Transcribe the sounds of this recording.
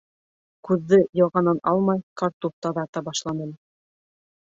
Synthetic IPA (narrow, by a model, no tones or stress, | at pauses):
kʉðːɘjɑ̆wʁɑnɤnɑlˠmɑjkɑɾt̪uft̪ɑðɑt̪ɑbɑʃlˠɑnɤ̆l